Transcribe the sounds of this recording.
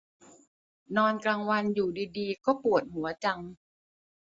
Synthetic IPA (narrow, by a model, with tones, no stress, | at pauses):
nɔː˧nkɾaː˧ŋwa˧njuː˨˩diː˧diː˧kɔː˥˩pu˨˩ət̪̚hu˩˦ɐt͡ɕa˧ŋ